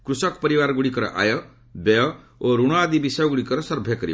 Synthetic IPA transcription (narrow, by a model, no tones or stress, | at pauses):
kɾusɔkpɔɾibaɾɔɡuɽikɔɾɔ̰ʔa̰jɔ | beɔ | oɾuɽ̃ɔad̪ibisɔjɔɡuɽikɔɾɔsɔɾbʱjakɔɾḭ